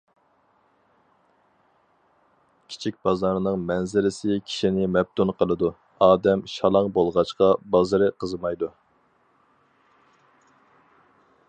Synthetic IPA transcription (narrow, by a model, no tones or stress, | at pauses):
kʲʰi̥t͡ʃʰik̚ʲb̥ɑzɑɾnɨŋmɛnzɪlɪsɪkʲʰi̥ʃinɪmɛb̚t̪ʰunqʰəlˠɨd̪u | ɑːd̪ɛmʃɑlˠɑŋbolˠʁɑt͡ʃqɑbɑzɨɾɨqʰəzɨmɑjd̪u